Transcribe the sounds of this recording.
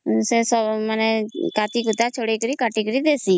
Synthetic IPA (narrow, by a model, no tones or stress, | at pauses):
seːsɔmənɛkaːt̪iːkʊt̪aːt͡ʃʰoːɽeːkəɾiːkaːʈiːkəɾiːd̪eːsiː